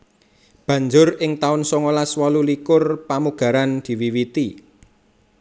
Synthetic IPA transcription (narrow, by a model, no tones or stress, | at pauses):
b̥ä̤ɲd͡ʒʊrɪŋt̪aʊnsɔŋolaswɔlulikʊrpamuɡ̥ä̤ɾand̪̥i̤wiwit̪i